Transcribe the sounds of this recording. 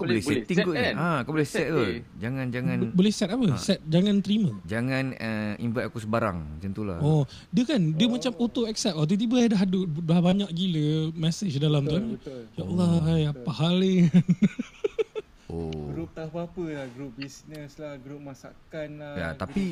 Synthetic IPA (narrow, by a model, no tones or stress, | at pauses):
kabolɛsɛt̪iŋkuakobolɛhsɛt̪apə | d͡ʒaŋãnd͡ʒaŋãnbolɛhsɛt̪apəsɛt̪̚d͡ʒaŋant̪əɾiməd͡ʒaŋãnəḭnvɛʔakusəbaɾa̰ŋsənt̪ula̰ho | diəkandiəmat͡ʃamot̪oɛksɛt̚at̪̬ut̪̬ibəadaɦdudahbaɲaʔɡiləmɛsət͡ʃdalamt̪uanjaʔlaajapahalen | oɡɾup̚t̪apapəlahɡɾup̚bisnəslahɡɾup̚masa̰kanlaja̰t̪api